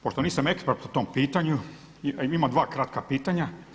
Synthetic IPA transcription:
poʃt̪oniːsamekspeɾt̪ut̪ompiːt̪aɲu | iimad̪ʋaːkɾat̪̚kapiːt̪aɲa

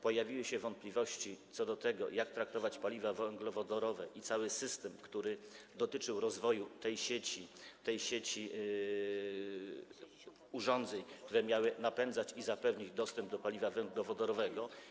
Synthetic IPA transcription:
pɔjavʲiwɘɕɛvɔnt̪̚plʲivɔɕt͡ɕit̪sɔd̪ɔt̪ɛɡɔ̰jakt̪ɾak̚t̪ɔvat͡ɕpalʲivavɛŋɡlɔvɔd̪ɔɾɔvɛʔit̪sawɘsɘst̪ɛmkt̪uɾɘd̪ɔt̪ɘt͡ʂɘwɾɔzvɔjut̪ɛjɕet͡ɕit̪ɛjɕet͡ɕi | uʐɔnd̪zɛɲkt̪uɾɛmʲjawɘnapɛnd̪zat͡ɕizapɛvɲid͡ʑd̪ɔst̪ɛmb̚d̪ɔpalʲivavɛŋɡlɔvɔd̪ɔɾɔvɛɡɔ

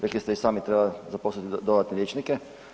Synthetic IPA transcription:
ɾeklist̪isaːmit̪ɾebazaposlit̪id̪od̪at̪nelʲjet͡ʃnikɛ

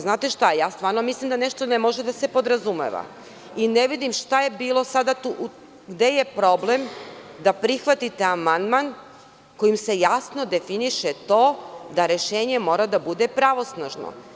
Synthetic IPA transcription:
znaːt̪e̞ʃt̪ajaːst̪ʋaːɾno̞mislˠimd̪ane̞ʃt̪onemo̞ʒe̞d̪ase̞po̞d̪ɾazumḛʋa̰ | ineʋid̪imʃt̪aje̞biːlˠo̞sad̪at̪uʔ | ɡd̪e̞je̞pɾo̞ble̞md̪apɾixʋat̪it̪eamand̪man | ko̞jimse̞jasno̞d̪e̞finiʃet̪o̞ːd̪aɾe̞ʃe̞ːɲe̞mo̞ːɾad̪abud̪e̞pɾaʋo̞snaʒno̰

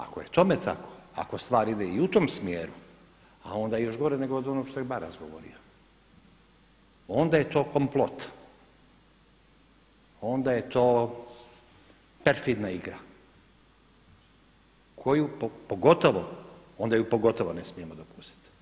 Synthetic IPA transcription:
a̰kojet̪o̞met̪ʰa̰kʰo̞̥a̰ko̞st̪ʋaːɾid̪eiut̪o̞ːmsmjeːɾu | a̰o̞nd̪ajejo̞ʃɡo̞ɾeneɡood̪o̞noɡʃt̪oebaɾazɡoʋo̰ɾḭo | o̞nd̪aje̞t̪o̞ːko̞mplˠo̞t̪ | o̞nd̪aje̞t̪o̞ː | peɾfid̪naiɡɾa | kʰo̞jupopoɡo̞t̪o̞ʋoond̪ajupo̞ɡo̞t̪o̞ʋone̞smije̞mod̪opu̥st̪i̥t̪

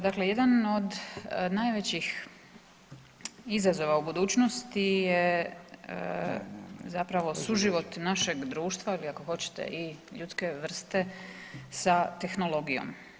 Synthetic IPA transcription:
d̪akle̞je̞d̪ano̞d̪najʋet͡ɕix | izazo̞ʋaubud̪uːt͡ɕnost̪ijḛ | zapɾaʋo̞suʒiʋo̞t̪naʃe̞ɡd̪ɾuːʃt̪ʋailiako̞xo̞t͡ɕe̥t̪e̞̰ʔiʎuːt̪ske̞ʋr̩st̪e̞sat̪e̞xnolo̞ɡijo̞̰m

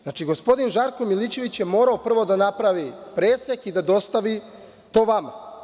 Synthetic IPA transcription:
znat͡ʃiɡo̞spo̞d̪inʒaɾko̞milit͡ɕe̞ʋit͡ɕjemo̞ːɾaopr̩ʋo̞d̪anapɾaʋipɾeːsekid̪ad̪o̞st̪aʋi | t̪o̞ːʋama

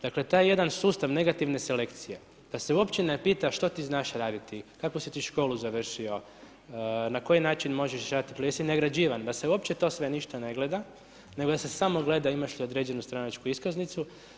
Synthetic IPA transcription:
d̥̪akle̞t̪ajeje̞d̪ansuːst̪aʋne̞ɡat̪iʋne̞se̞le̞kt̪sije̞ | d̪̥ase̞uo̞pt͡ɕenepiːt̪aʃt̪o̞t̪iznaʃɾaːd̪it̪ikakʋosit̪iːʃko̞ːluzaʋr̩ʃio̞ | nako̞jinaːt͡ʃinmo̞ʒeʃɾaːd̪t̪ipleesineɡɾad͡ʑiːʋand̪ase̞uopt͡ɕe̞t̪o̞ːsʋe̞niʃt̪ane̞ɡle̞d̪a | ne̞ɡod̪asesamo̞ɡle̞d̪aimaʃliod̪ɾe̞d͡ʑenust̪ɾanat͡ʃkuiskaznit̪su

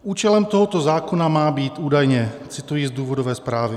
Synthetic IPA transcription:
uːt͡ʃɛlɛmt̪oɦot̪o̞zaːkonamaːbiːt̪uːdajɲɛt͡sɪt̪ujizd̪uːvodovɛːspɾaːvɪ

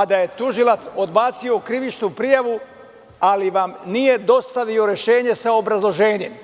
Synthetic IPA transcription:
ad̪aje̞t̪uʒilat̪so̞d̪baːt̪sio̞kɾiʋit͡ʃnupɾijaʋu | aliʋamnije̞d̪o̞st̪aʋio̞ɾe̞ʃe̞ːɲe̞saobɾazlˠo̞ʒe̞ːɲe̞m

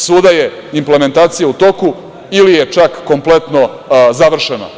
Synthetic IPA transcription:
suːd̪aje̞ | imple̞me̞nt̪aːt̪sijaut̪o̞ku | ilije̞t͡ʃakːo̞mplˠe̞t̪no̞ | zaʋr̩ʃena̰

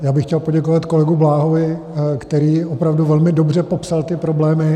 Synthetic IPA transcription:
jaːbɪxcɛlpoɟɛkovat̪ko̞lɛɡublaːɦovɪ | kt̪ɛɾiːʔopɾavduvɛlmɪdo̞br̝ɛpo̞psalt̪ɪpɾo̞blɛːmɪ

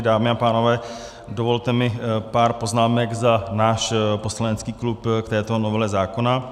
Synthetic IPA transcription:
daːmɪapaːnovɛː | dovo̞lt̪ɛmɪpaːɾpo̞znaːmɛɡzanaːʃposlaɲɛt͡skiːklupkt̪ɛːt̪onovɛlɛzaːkona

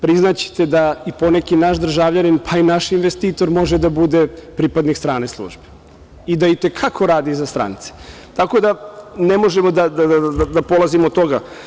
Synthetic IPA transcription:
pɾiznat͡ɕe̥t̪e̞d̪aipo̞nekinaʃd̪r̩ʒaːvʎaninpʰainaʃinʋest̪iːt̪o̞ɾmo̞ʒed̪abud̪e̞pɾipad̪nikst̪ɾaːne̞slˠṵːʒbe̥ | id̪ait̪e̞kʰakʰo̞ɾaːd̪izast̪ɾa̰nit̪se̥ | t̪ako̞d̪anemo̞ʒemod̪ad̪ad̪ad̪apolˠazimot̪ːo̞ɡa̰

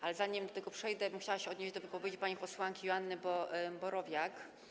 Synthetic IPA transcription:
ʔalɛzaɲimd̪ɔt̪ɛɡɔpʂɛjd̪ɛmuxɕawaɕɛɔd̪ɲeʑd͡ʑd̪ɔvɘpɔvʲjed͡ʑipaɲipɔswaŋkʲijɔanːɘbɔbɔɾɔvʲjak

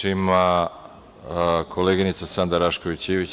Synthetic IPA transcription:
ima | kʰoleɡinit̪sasand̪aɾaʃko̞ʋit͡ɕiːʋit͡ɕ

